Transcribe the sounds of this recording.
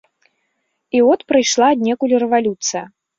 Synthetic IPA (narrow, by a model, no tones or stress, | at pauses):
ivɔt̪pɾɨjʂlˠaːd̪̚ʲnʲɛkulʲiɾɛvalʲut̪sɨjɐ